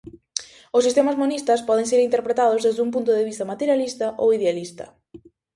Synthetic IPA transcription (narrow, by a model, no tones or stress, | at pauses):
ʊsːist̪emɐzmonist̪ɐspɔð̞ẽŋs̬eɾint̪eɾpɾet̪aðʊzðezðump̬unt̪ʊðeβ̞ist̪ɐmat̪eɾjalist̪ɐʔowiðealist̪ɐ̰